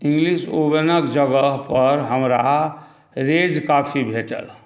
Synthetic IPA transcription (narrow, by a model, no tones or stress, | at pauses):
ɪ̃ŋɡliʃobənəkd͡ʒəɡəɦpəɾɦəmɾa | ɾed͡ʒkaːpʰibʱeːʈə̰l